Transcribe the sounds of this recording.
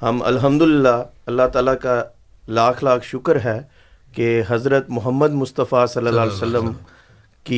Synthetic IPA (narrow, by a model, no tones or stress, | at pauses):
hɐmɐ̰lɦəmd̪ʊlɪlːaɐlːat̪aːlaka | laːkʰlaːkʰʃʊkəɾɦɛː | keɦɐzɾət̪mʊɦəmːəd̪mʊst̪əfasɐlːəlːaːlesəlːəm | ki